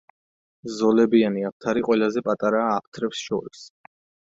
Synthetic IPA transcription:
zɔlɛbianiap̚ʰt̪ʰaɾiqʼwɛlazɛpʼat̪ʼaɾaːpʰt̪ʰɾɛpsʃɔ̰ɾis

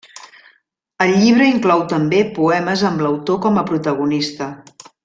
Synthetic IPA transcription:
əlʎːiβ̞ɾəiŋklɔwt̪əmbepuɛməzəmləwt̪okɔməpɾut̪əɣ̞unist̪ə

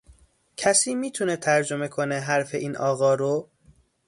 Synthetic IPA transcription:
cʰæsiːmiːt̪ʰunet̪ʰæɾd͡ʒo̞me̞kʰoneɦæɾfe̞ʔiːnʔɒːɣɒːɾo

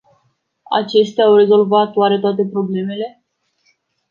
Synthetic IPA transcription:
a̰t͡ʃe̞ʃt̪eaːwre̞zo̞lvat̪oaɾet̪oat̪̬e̞pɾo̞ble̞me̞le̞

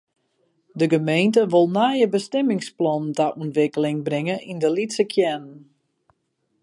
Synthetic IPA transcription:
dəɡəmejntəʋolˠnajəbəstɛmɪŋsplɔntaʔuntʋɪkəlɪŋbrɪŋəʔindəlitsəkʰjɛn

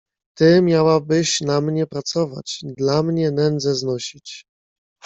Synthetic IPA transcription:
t̪ɘmʲjawabɘɕnamɲɛpɾat̪sɔva̰t͡ɕd̪lamɲɛnɛnd̪zɛznɔɕit͡ɕ

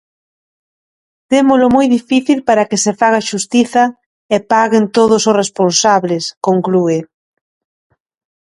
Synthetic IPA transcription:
t̪emʊlʊmojðifiθilpaɾɐkɪsefaɣ̞aʃust̪iθɐ | ɪpaɣɪnt̪oð̞ʊsʊsresponsaβlɪskoŋklue

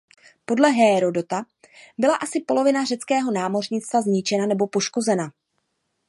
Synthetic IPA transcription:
po̞dlɛɦɛːɾo̞do̞t̪a | bɪlaʔasɪpo̞lo̞vɪnarɛt͡skɛːɦo̞naːmo̞rɲɪt͡st̪vazɲɪt͡ʃɛnanɛbo̞po̞ʃko̞zɛna

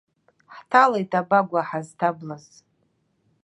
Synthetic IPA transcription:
ħtʰalejtʼabaɡʷaħaztʰablaz

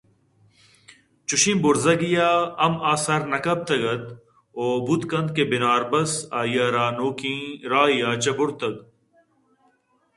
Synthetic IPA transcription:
t͡ʃuɕĩːbuɾzɐɡijaːɐmaːsɐɾnɐkɐb̚t̪ɐɡɐt̪̚ | oːbut̪kɐnd̪̚kebinaːɾbɐsaːjaːɾaːnoːkĩːɾaːijaːt͡ɕɐbʊɽt̪ɐɡ

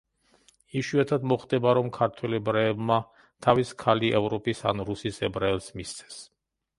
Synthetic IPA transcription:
iʃuɛt̪ʰad̪mɔχd̪ɛbaɾɔmkʰaɾt̪ʰwɛlɛbɾaːbma | t̪ʰaviskʰaliʔɛvɾɔpʼisa̰nɾusisɛbɾaɛlˠsmist̪sʰɛ̥s

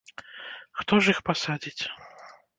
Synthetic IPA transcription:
xt̪ɔʐixpasad͡zʲit͡sʲ

